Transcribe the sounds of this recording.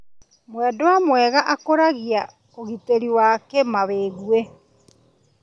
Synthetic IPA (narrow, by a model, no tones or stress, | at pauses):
mwɛdoamwɛɣaʔakoɾaɣia | oɣiteɾiwaːkemaβeːɣwe